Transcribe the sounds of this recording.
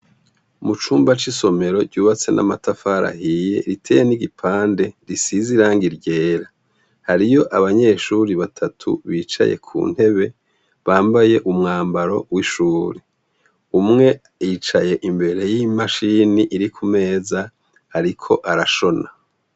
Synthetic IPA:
mut͡ʃuːmbat͡ʃiso̞me̞ɾo̞ɟɟuːβat͡se̞nʔa̰matafaɾa̰hije̞̰ɾitʰe̞ːjeniɡipʰaːnde̞ɾisiziɾaːŋɡiɾɟe̞ːɾa | haɾijo̞ʔaβaɲe̞ːʃuɾiβatʰatʰṵβiːt͡ʃa̰jḛkʰṵːn̥he̞βe̞ | βaːmbaje̞ʔumŋaːmbaɾo̞̰wiʃuːɾi | umŋe̞ | iːt͡ʃaje̞ʔimbe̞ɾe̞jimaʃiniʔiɾikʰume̞ːza | haɾikʰo̞ʔaɾaʃo̞na

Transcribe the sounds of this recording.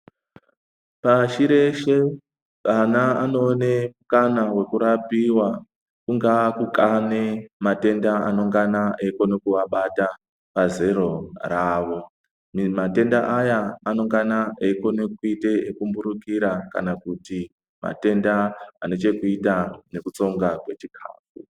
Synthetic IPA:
paʃiɾe̞ʃe | ɓanaano̞nemukanawe̞kuɾapiwa | kuŋɡakukanemate̞ndaa̰no̞ŋɡanaaiko̞nekuʋaɓata | paze̞ɾo̞raʋo̞ | mimate̞ndaʔajaːno̞ŋɡanaeiko̞nek̚uite̞ekumbuɾukiɾaka̰nakuti | ma̰te̞ndaane̞t͡ʃe̞kuitane̞kut͡so̞ŋɡakwe̞t͡ʃikʰa̰ːfu

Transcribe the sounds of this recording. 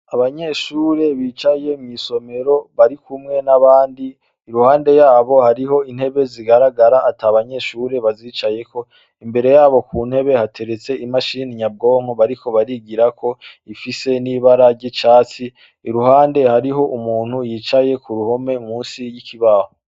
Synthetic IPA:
aβaɲe̞ʃuɾe̞βiːt͡ʃaje̞mɲiːso̞me̞ɾo̞βaɾikumŋe̞naβaːndiː | ɾuhaːnde̞jaːβo̞haɾiɦo̞in̥he̞βe̞ziɡaɾaɡaɾaʔːtaːβaɲe̞ʃuɾe̞βaziːt͡ʃaje̞ko̞ | imbe̞ɾe̞jaːβo̞kuːn̥he̞βe̞hate̞ɾet͡se̞ʔimaʃiniɲab̚ɡo̞ːŋoβaɾiko̞βaɾiɡiɾakʰo̞ifise̞niβaɾaɾɟet͡ʃaːt͡siː | ɾuhaːnde̞haɾiɦo̞ʔumuːnhujiːt͡ʃaje̞kuɾuho̞me̞muːnsiɾjikʰiβaho

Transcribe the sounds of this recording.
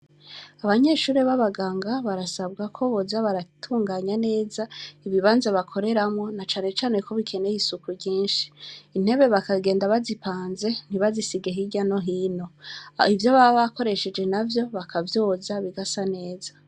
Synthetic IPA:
aβaɲe̞ːʃuːɾeβaβaɡaːŋɡaβaɾasabɡakʰo̞βozaβaɾatʰuːŋɡaːɲane̞ːzaiβiβaːnzaβakʰo̞ɾe̞ɾamŋo̞nat͡ʃaːne̞t͡ʃaːne̞kʰo̞βikʰe̞ne̞jisukuɾɟiːnʃi̥ːn̥he̞βe̞βakaɡeːndaβazipaːnze̞n̥iβazisiɡeɦiɟano̞ɦino̞ivjo̞βaβako̞ɾe̞ʃe̞d͡ʒe̞navjo̞βakʰavjo̞ːzaβiɡasane̞ːz̥a

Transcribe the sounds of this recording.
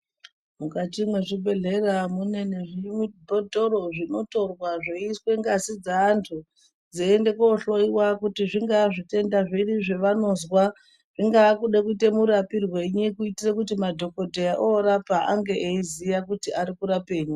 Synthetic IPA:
mukatimwe̞ʐibʱe̞ɮe̞ramune̞ne̞ʐimudʱodʱo̞ɾo̞ʐino̞to̞rwaʐeiswe̞ŋɡasid͡zaːntʰu | d͡ziːnde̞koɬo̞iwakutiʐiŋɡaʐite̞ndaʐiriʐeʋano̞zwa | ʐ̥iŋɡaːkuɗekuite̞muɾapirwe̞ɲikuitirekutimadʱo̞ko̞dʱejaʔoɾapaa̰ŋɡe̞ʔeizijakutiaɾikuɾape̞ːɲu

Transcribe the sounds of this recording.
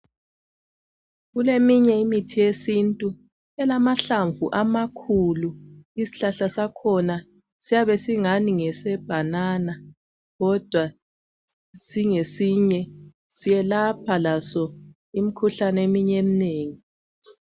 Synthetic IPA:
ɣulemiɲɛimitʰijesintʼu | ɛlamaɬaɱvuʔamakʰuluisi̥ɬaɬasakʰɔna | sijaβɛsiŋaniŋɛsɛb̥ʱanaːna | ɣɔd̥ʱwa | siŋesiːɲɛ | sijɛlapʰalasɔ | imikʰuɬanɛemiɲɛemineːŋi

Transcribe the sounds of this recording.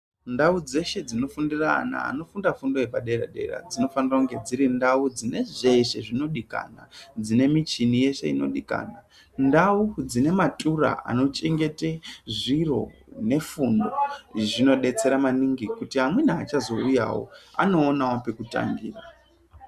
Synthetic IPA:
ndaud͡ze̞ʃe̞d͡zino̞fundirana̰ːno̞fundafundo̞epaɗeɾa̰ɗe̞̰ra̰d͡zino̞fanirakuŋɡe̞d͡ziɾindaud͡zine̞ʐe̞ʃe̞ʐino̞ɗika̰na̰d͡zine̞mit͡ʃinije̞ʃe̞̰ino̞̰ɗika̰ːna | ndaud͡zine̞matʼura̰a̰no̞t͡ʃe̞ŋɡe̞teʐiro̞̰ | ne̞fundo̞̰ʐino̞ɗe̞t͡se̞ɾamaniŋɡikutiɦamwenaːt͡ʃazo̞uja̰wo̰a̰no̞ːnawapekuta̰ŋɡiːra

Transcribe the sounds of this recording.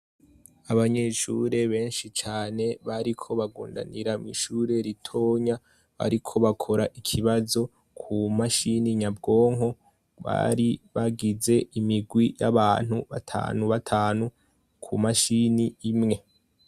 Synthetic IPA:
aβaɲe̞ʃṵɾe̞βe̞ːnʃit͡ʃaːne̞βaɾikʰo̞βaɡṵːnda̰niɾamḭʃuːɾe̞ɾitʰo̞ɲa | βa̰ɾikʰo̞βakʰo̞ɾaʔikʰiβazo̞ | kʰumaʃiniɲabɡo̞ːŋɦo̞ | βa̰ɾiβaɡize̞ʔimiɡwijaβaːn̥huβa̰tʰa̰ːnuβatʰaːnu | kʰumaʃiniːmŋe̞

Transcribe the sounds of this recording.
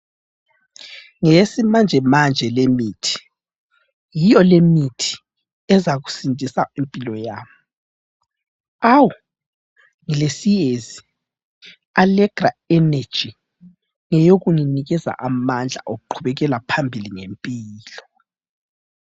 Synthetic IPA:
ŋesimand͡ʒʱɛmand͡ʒʱɛlemiːtʰi̥ | jijɔlemitʰi̥ | ɛzaɣu̥sindʱʼisa̰impʼilɔjaːmu | awu | ŋilesijezi | alɛɡ̥raɛnḁd͡ʒʒ̥ʱi | ŋɛjoɣuŋiniɣɛza̰ʔamand͡ɮʱa̰ʔoɣuǃʰuβɛɣɛlapʰambʱiliŋempʼiːlɔ

